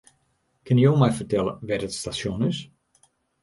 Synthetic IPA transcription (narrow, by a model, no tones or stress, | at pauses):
kʰɪnjəjoːmɛjfərtɛlə̰ʋɛtətstasjonɪs